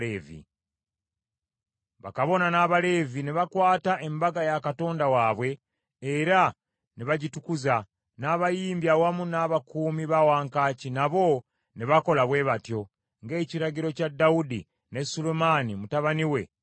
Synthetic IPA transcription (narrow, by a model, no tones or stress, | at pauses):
eːvḭ | βa̰kaβo̞nanaːβale̞viniβakwaːtaʔe̞mbaɡajakato̞ːndawaβwe̞ː | ɾa | niβaɟitukuza | naːβajiːmbjawamunaːβakuːmiβawaːŋkaːcinaβo̞ | niβako̞laβwe̞ːβatjo̞ | ŋɡe̞ːciɾaɟiɾo̞cadaudḭ | ne̞sulemanimutaβaniwe̞̰